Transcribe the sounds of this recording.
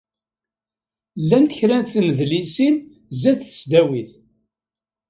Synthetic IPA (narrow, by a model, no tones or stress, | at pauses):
lːænt̪əçɾænθməðlisin | zæθə̥sd̪æwiθ